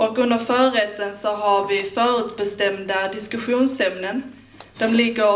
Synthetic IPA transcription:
ɔkɵnd̪afœːɾɛt̪ːənsɔɦaɾvɪfœːɾʉ̟ːt̪bɛst̪ɛmd̪ad̪ɪskɵɧuːnsɛmnən | d̪̥ɔmlɪɡːə

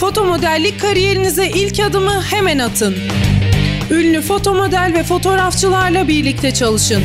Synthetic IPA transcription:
fo̞t̪ʰo̞mo̞d̪ælʲːic̚kʰːaɾije̞ɾinizɛʔilʲcad̪ɯmɯhe̞mænat̪ʰɯn | ylʲnʲyfo̞t̪ʰo̞mo̞d̪ælʲvɛfo̞t̪ʰo̞ɾaft͡ʃʰɯlˠaɾlˠabiɾlʲic̚t̪ʰɛt͡ʃʰalˠɯʃɯn

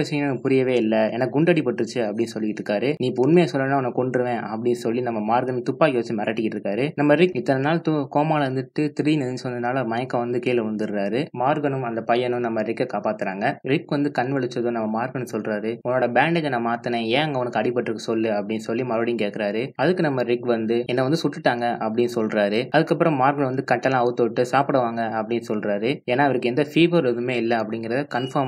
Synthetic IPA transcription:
ɐʋɪsɐŋɐnːnpʊɾɪjɐʋeːɪlːɐɛnːɐɡʊɳɖɐɽɪpɐʈːɾɯt͡ʃːɯɐpːɐɽɪnːɯsɔlːɪkːʈːɾɯkːaːɾɯniːɪpːɐʊnmejaːsɔlːɐnːaːʊnɐkːkɔɳɖɯɾɯʋẽːʔɐpːɐɽɪnːɯsɔlːinɐmːɐmaːɾɡɐnɯmt̪ʊpːaːjoːst͡ʃːimɐɾɐʈːɪkːɪʈːɪɾɯkːaːɾɯnɐmːɐɾɪkːɪt̪ːɐnɐnaːlt̪ʊkoːmaːlɐɾɯnd̪ɯʈːɯt̪ɪɾijnɪðɪɲt͡ʃʋɐnd̪ɐɯnaːlɐmɐjɐkːɐ̃ʋɐnd̪ɯkeːlʋɐnd̪ɯɾɾaːɾɯmaːɾɡɐnɯmɐnd̪ɐpɐjɐnɯmnɐmːɐɾɪkːɐkaːpaːt̪ːɯɾaːŋɡɐɾɪkːʋɐnd̪ɯkɐɳʋɛɭɪt͡ʃːɐðõnɐmːɐmaːɾɡɐnɯmsɔlɾaːɾɯʊnːoːɽɐbaːɳɖɛkːɛnːɐmaːt̪ːɯnɐ̃ːẽːɐŋɡɐʊnɐkːɯɐɽɪpːɐʈːɾɯkːɯsɔlːɯɐpːɐɽɪnːɯsɔlːimɐɾʋɐɽɪjŋkeːkːɪɾaːɾɯɐðɯkːɯnɐmːɐɾɪkʋɐnd̪ɯɛnːɐʋɐnd̪ɯsʊʈːɯʈːaːŋɡɐʔɐpːɐɽɪnːɯsɔlɾaːɾɯɐðɯkːɐp̬ːɯɾɐ̃mmːaːɾɡɐɳʋɐnd̪ɯkɐʈːɐlːãːɐʋɯt̪ːoːʈːɯsaːpɐɽɐʋaːŋɡɐɐpːɐɽɪnːɯsɔlɾaːɾɯeːnːaːɐʋɐɾɯkːɛnd̪ɐfiːʋɐɾɐðɯmeːɪlːɐɐpːɐɽɪŋɡɪɾɐðɯkɐnfɐː

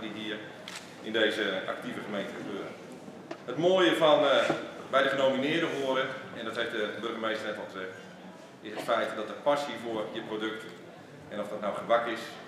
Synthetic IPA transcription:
diɦiːər | ʔɪndeːzəʔa̰k̚tivəχəmejntəχəbøːɾə | hətmoːəjəfɔnbɛjdəχənowminɪərdəɦoəɾəɛndɔthɛftdəbɵrɣəmejstərnɛtɔlˠχəzɛxt | ɪsətfɛjtdɔtətpasivoərjəprodøkt | ʔɛnɔfdɔtnawχəʋakɪs

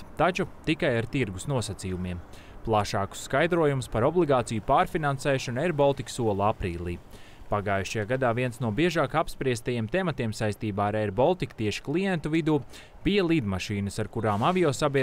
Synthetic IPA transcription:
t̪at͡ʃut̪ikajaɾt̪iɾɡusnuɔsat̪sijumiɛm | plˠaʃaːku̥sːkajd̪ɾuɔjumspaɾɔblˠiɡaːt̪sijupaːɾfinansɛːʃɔnɛɾbɔlˠt̪iksuɔlˠapɾiːlˠḭː | paɡaːjuʃajaːɡad̪aːviɛnsnuɔbiɛʒaːkapspɾiɛst̪ajeɛmt̪ɛmat̪iɛmsajst̪iːbaːaɾɛɾbɔlˠt̪ik̚t̪iɛʃi̥klˠijɛnt̪uvid̪uː | pijɛlˠid̪maʃiːnəsaɾkuɾaːmavijoːsabʲiɛ

